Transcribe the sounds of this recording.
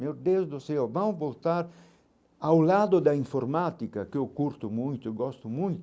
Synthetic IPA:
mewd̪ezd̪ʊsɛwvɐ̃w̃volt̪aɾ | awlad̪ʊd̪ɐĩɱfoɾmat̪ikɐkewkuɾt̪ʊmũj̃t̪ʊɡɔst̪ʊmũj̃t̪

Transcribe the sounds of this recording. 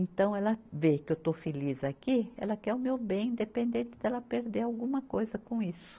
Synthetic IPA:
ẽnt̪ɐ̃w̃ɛlɐvekɪewt̪ofelizakiɛ̰lɐkɛɾʊmewbẽj̃ĩnd̪epẽnd̪ẽnt̪ɪd̪ɛlɐpeɾd̪eɾawɡũmɐkojzɐkõisʊ̥

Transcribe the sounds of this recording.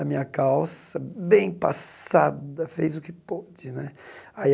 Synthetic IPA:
ɐmĩɲɐkawsɐbẽj̃pa̰sad̪ɐfejzʊkɪpod͡ʒɪnɛai

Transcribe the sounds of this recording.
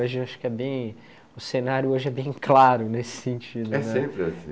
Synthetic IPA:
oʒɪaʃʊ̥kɪɛbẽj̃ | ʊsenaɾjʊoʒɪɛbẽj̃klaɾʊnesɪ̥sẽnt͡ʃid̪ʊɛnsɛ̃pɾɪasĩ

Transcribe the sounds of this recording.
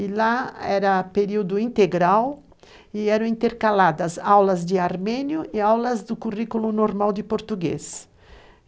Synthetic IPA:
ilaɛɾɐpeɾiwd̪ʊĩnt̪eɡɾaw | iɛɾɐ̃ĩnt̪eɾkalad̪ɐzawlɐzd̪ɪaɾmɛ̃njʊiawlɐzd̪ʊkurikulunoɾmawd̪ɪpoɾt̪uɡḛs

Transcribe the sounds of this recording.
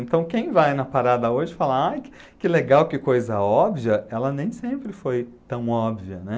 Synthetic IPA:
ẽnt̪ɐ̃w̃kẽj̃vajnɐpaɾad̪ɐoʒɪfalɐaj | kɪleɡawkɪkojzɐɔbviɐɛlɐnẽj̃sẽmpɾɪfojt̪ɐ̃w̃ɔbviɐnɛ

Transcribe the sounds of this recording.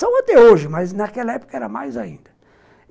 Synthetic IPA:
ɐ̃w̃at̪ɛoʒɪmɐznɐkɛlɐɛpo̥kɐɛɾɐmajzaĩnd̪ɐ

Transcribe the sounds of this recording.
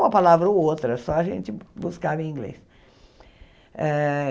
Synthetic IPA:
ũɐpalavɾɐowt̪ɾɐsɔɐʒẽnt͡ʃɪbuskavẽĩɡlḛs | ɛ

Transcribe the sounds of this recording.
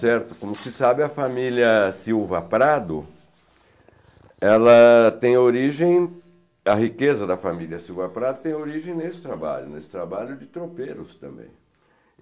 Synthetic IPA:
sɛɾt̪ʊ̥kõmʊsɪsabɪɐfamilɐsiwvɐpɾad̪ʊ | ɛlɐt̪ẽj̃oɾiʒẽj̃ | ɐɦikezɐd̪ɐfamilʲiɐsiwvɐpɾad̪ʊt̪ẽj̃oɾiʒẽj̃nesɪ̥t̪ɾaba̰ʎʊnesɪ̥t̪ɾabaʎʊd͡ʒɪt̪ɾopeɾʊst̪ɐ̰̃mbḛ̃j̃

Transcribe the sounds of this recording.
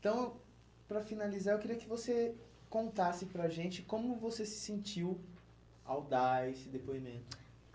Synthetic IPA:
t̪ɐ̃w̃ | pɾɐfinalizaewkɪɾiɐkɪvose | kõnt̪asɪpɾɐʒẽnt͡ʃɪkõmʊvosesɪ̥sẽnt͡ʃiw | a̰wd̪aesɪd̪epoimẽnt̪ʊ

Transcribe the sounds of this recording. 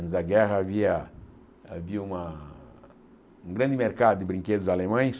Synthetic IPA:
nzaɡɛɦavia | viuma | ŋɡɾand̪imeɾkad̪ibɾiŋkʲed̪uzalemaɲ

